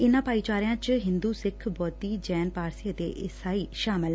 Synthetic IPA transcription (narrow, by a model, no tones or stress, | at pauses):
ɪnãːpaːiːt͡ʃaːɾɪjãːt͡ʃɦɪ̃nd̪uːsɪkʰbɔːt̪iːd͡ʒɛːnpaːɾsiəd̪ḛːʔɪsaːiːʃaːmɪl